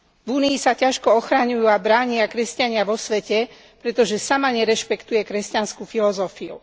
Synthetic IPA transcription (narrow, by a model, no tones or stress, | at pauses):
vuːniːsacaʃkɔɔxɾaɲujuːabɾaːɲɪakɾɛscaɲɪaʋɔsʋɛcɛ | pɾɛt̪ɔʒɛsamaɲɛɾɛʃpɛkt̪ujɛkɾɛscanskufilɔzɔfiṵ